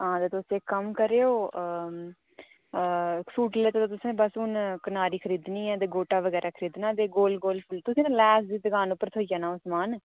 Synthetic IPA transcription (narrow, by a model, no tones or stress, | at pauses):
ɦãːd̪eːt̪osẽːkəmkəɾeːoː | suːʈleːt̪oːt̪ot̪̬ʊsẽːbasuːnkənaːɾiːkʰəɾiːd̪niːɛːd̪eːɡoːʈaːʋəɡɛːɾaːkʰəɾiːd̪naːd̪eːɡoːlɡoːlpʊlt̪ʊsẽːnːlɛːsd̪iːd̪əɡaːnʊpːəɾt̪ʰoːijaːnãːʊsmaːn